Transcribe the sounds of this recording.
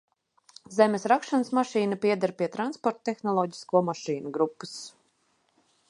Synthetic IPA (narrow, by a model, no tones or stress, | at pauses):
zɛmesɾakʃansmaʃiːnapʲiɛd̪aɾpʲiɛt̪ɾanspɔɾt̪t̪ːexnɔlˠɔːɟi̥skuɔmaʃiːnuɡɾupːu̥s